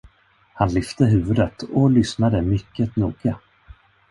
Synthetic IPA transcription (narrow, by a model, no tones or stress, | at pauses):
hanlʏft̪əɦʉ̟ːvɵd̪ət̪ɔlʏsnad̪əmʏkːət̪nuːɡa